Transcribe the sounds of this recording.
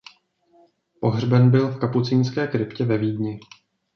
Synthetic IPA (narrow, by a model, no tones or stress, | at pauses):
po̞ɦrbɛnbɪlfkaput͡siːnskɛːkɾɪpcɛvɛviːdɲɪ